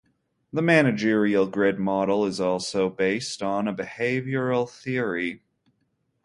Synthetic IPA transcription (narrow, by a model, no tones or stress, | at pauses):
ðəmæñɨd͡ʒɪɹil̩ˠɡɹɪd̚mɑɾl̩ˠɪzɔlˠsoʊbeɪstn̩əbɨheɪvjə˞l̩ˠθɪɹi